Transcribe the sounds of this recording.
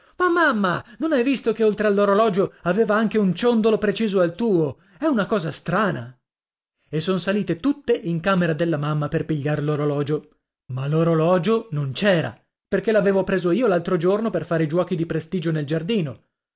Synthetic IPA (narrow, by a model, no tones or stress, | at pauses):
mamːamːanonajvist̪okeolt̪ɾealːoɾolɔːd͡ʒoaveːvaaŋkeunt͡ʃond̪olopɾet͡ʃiːzoalt̪uːo | ɛunakɔːzast̪ɾaːna | esːonsaliːt̪et̪ut̪ːeʔiŋkaːmeɾad̪elːamamːaperpiʎːaɾeloɾolɔːd͡ʒo | maloɾolɔːd͡ʒonont͡ʃɛːɾa̰ | perk̟elaveːvopɾeːzoiːolalt̪ɾod͡ʒornoperfaːɾeid͡ʒwɔːkid̪ipɾest̪iːd͡ʒoneld͡ʒard̪iːno